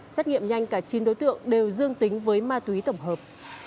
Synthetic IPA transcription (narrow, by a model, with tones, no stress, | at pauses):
sa˦˥t̚ŋḭ˧˨əmɲa˧jŋ̟kaː˧˩t͡ɕi˨˦nɗo˨˦jt̪ɨ̰˧˨əŋɗe˨˩wzɨ˧əŋt̪ï˨˦ŋ̟vəː˨˦jmaː˧t̪wi˨˦t̪ə˧˩wŋ͡mɦəː˨˩p̚